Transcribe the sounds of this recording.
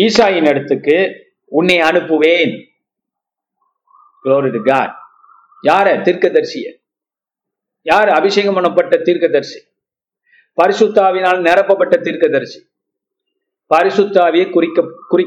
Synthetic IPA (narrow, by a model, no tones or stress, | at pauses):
iːsaːjɪnɛɽɐt̪ːɯkːɯ | ʊnːeɐnɯpːɯʋeːn | ɡloːɾɪɾɯɡa̰ːɾ | jaːɾɛːt̪iːɾkɐðɐɾsɪjɐ̰ | jaːɾɐbɪsɐjŋɡɐmɐɳɐpːɐʈːɐt̪iːɾkɐðɐɾsi̥ | pɐɾɪsɯt̪ːaːʋɪnaːlnɛɾɐpːɐpːɐʈːɐt̪iːɾkɐðɐɾsi̥ | pɐɾɪsʊt̪ːaːʋɪjɐkʊɾɪkːɐkʊrɪ